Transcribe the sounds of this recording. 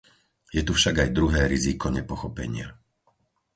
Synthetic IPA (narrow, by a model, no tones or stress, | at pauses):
jɛt̪ufʃaɡajd̪ɾuɦɛːɾizikɔɲɛpɔxɔpɛ̰ɲɪa̰